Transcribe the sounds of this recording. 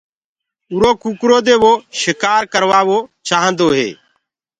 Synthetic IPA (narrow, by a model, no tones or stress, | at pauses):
ʊɾoːkuːkɾoːd̪eːʋoːʃɪkaːɾkəɾʋaːʋoːt͡ʃaːɦə̃nd̪oːɦḛː